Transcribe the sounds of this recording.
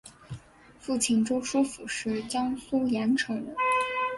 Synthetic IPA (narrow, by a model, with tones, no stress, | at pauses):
fu˥˩t͡ɕʰi˥˩nʈ͡ʂo˥ʊʂu˥fu˨˩ʂɻ̩˥˩t͡ɕjɑ˥ŋsu˥jɛ˧˥nʈ͡ʂʰɤ˧˥ŋə˧˥